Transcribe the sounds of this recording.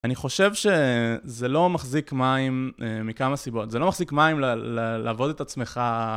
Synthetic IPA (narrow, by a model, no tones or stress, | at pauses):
aniχo̞ʃe̞vʃe̞zelo̞maχzikmaimːikamasibo̞tzelo̞maχzikmaimlllaːvo̞d̪etat͡sme̞χa